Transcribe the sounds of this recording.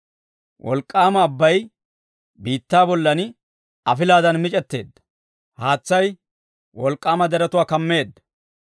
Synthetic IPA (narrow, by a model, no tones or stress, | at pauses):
wʔɔ̰lkʼːaːmɐːbːɐj | biːt̪ːaːbɔlːɐn | ɐfɪlaːd̪ɐnmɪt͡ʃʼɛt̪ːe̞̰ːd̪ːɐ̥ | haːt͡sːɐj | wɔlkʼːaːmɐd̪ɛɾɐt̪ʊwaːkɐmːe̞ːd̪ːɐ̥